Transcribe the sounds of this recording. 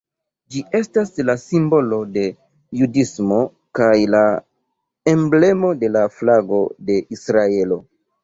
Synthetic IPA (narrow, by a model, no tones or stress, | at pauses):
d͡ʒiʔe̞staslasimbo̞lo̞de̞ | judismo̞ | kajla | e̞mble̞mo̞de̞laflaɡo̞de̞ʔisɾae̞lo̞